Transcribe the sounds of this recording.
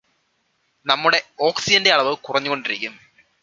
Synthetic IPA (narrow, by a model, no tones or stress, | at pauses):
nɐmːuɽe̞o̞ːksid͡ʑɐnde̞ɐɭɐʋɨkurɐɲːuɣo̞ɳɖiɾikʲːum